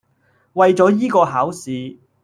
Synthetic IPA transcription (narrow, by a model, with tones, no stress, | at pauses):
wɐ˨jt͡sɔː˨˥jiː˥kɔː˧ɦaː˨˥wsiː˨˧